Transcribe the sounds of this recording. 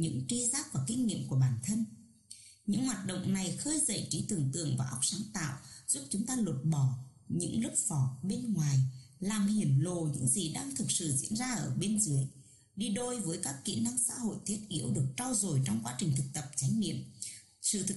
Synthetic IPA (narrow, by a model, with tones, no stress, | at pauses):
ɲɨ̰˧˥ŋt͡ɕi˧zaː˦˥k̚vaː˨˩kï˧ŋ̟ɲḭ˧˨əmku˧˩əɓaː˧˩nt̪ʰə˧n | ɲɨ̰˧˥ŋhwaː˨˩t̚ɗo̰˧˨wŋ͡mna˨˩jxəː˧jzə̰˧˨jt͡ɕi˨˦t̪ɨ˨˩əŋt̪ɨ̰˧˨əŋvaː˨˩ʔa˦˥wk͡p̚saː˨˦ŋt̪a̰ː˧˨wz̥u˦˥p̚t͡ɕʊ˨˦ŋ͡mt̪aː˧lə˨˩t̚ɓɔ˧˩ | ɲɨ̰˧˥ŋlʊ˦˥k͡p̚fɔ˨˩ɓe˧nŋwaː˨˩jlaː˨˩mhi˨˩ənlo˨˩ɲɨ̰˧˥ŋzi˨˩ɗaː˧ŋt̪ʰɨ˨˩k̚sɨ̰˧˨zḭ˧˥ənzaː˧ʔəː˧˩ɓe˧nzɨ˨˦əj | ɗi˧ɗo˧jvəː˨˦jkaː˦˥kːḭ˧˨əna˧ŋsa̰ː˧˥ho̰˧˨jt̪ʰi˦˥ət̚ʔi˨˦əwɗɨ˨˩ək̚t͡ɕɔ˧wzo˨˩jt͡ɕɔ˧wŋ͡mkwaː˨˦t͡ɕï˨˩ŋ̟t̪ʰɨ˨˩k̚t̪ə˨˩p̚t͡ɕa˨˦jŋnḭ˧˨əm | sɨ̰˧˩t̪ʰ